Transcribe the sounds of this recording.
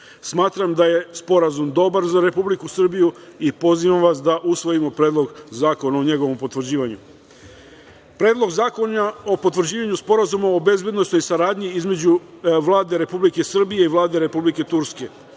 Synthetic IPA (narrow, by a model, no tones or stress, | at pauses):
smaːt̪ɾamd̪aje̞spo̞ɾazumd̪o̞baɾzaɾe̞publikusr̩bijuipo̞ziʋamʋasd̪aʔusʋo̞jimo̞pɾe̞ːd̪lˠo̞ɡzaːko̞naoɲe̞ɡo̞ʋo̞mpo̞t̪ʋr̩d͡ʑiːʋaɲu | pɾe̞ːd̪lˠo̞ɡzaːko̞nao̞pot̪ʋr̩d͡ʑiːʋaɲuspo̞ɾazumaobe̞zbje̞d̪no̞sno̞jsaɾaːd̪ɲiizme̞d͡ʑuʋlˠaːd̪e̞ɾe̞publike̞sr̩bije̞iʋlˠaːd̪e̞ɾe̞publike̞t̪uɾske̞